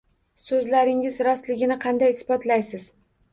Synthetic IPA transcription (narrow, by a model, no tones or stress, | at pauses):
sɵzlaɾɪŋɪzɾɒst̪lɪɡʲɪnɪqʰɑnd̪ajɪsbɒt̪lajsɪz̥